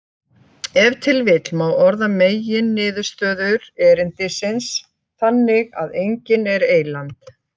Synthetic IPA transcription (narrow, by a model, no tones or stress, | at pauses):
ɛvt̪ʰɪlvɪt̪lmawɔɾðameːjɪnːɪːðʏɾ̥st̪œːðʏɾɛːɾɪnt̪ɪsɪns | θanːɪɣa̰ðejɲcɪnɛɾeːjlant̪